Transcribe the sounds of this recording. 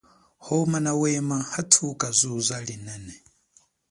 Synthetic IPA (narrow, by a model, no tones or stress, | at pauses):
hɔmanawɛmahatʰukʼazʷuzʷalinɛnɛ